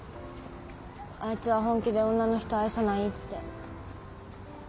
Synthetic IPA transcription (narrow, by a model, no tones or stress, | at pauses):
ait͡sɨβaɦõ̞ŋkʲid̪e̞õ̞nːano̞çʲi̥t̪o̞aisanait̪ːe̞